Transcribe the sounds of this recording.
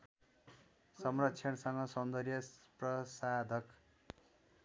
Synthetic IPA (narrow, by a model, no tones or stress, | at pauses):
sʌmrʌtt͡sʰʌnsʌŋɡʌsʌnd̪ʌrjʌprʌsad̪ʱʌk